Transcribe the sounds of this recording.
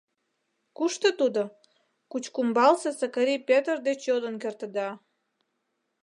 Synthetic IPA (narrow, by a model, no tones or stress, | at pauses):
kuʃt̪ət̪ud̪o | kut͡ɕkumbɑlsesəkəɾipʲet̪ərd̪et͡ɕjod̪ənkert̪ə̆d̪ɑ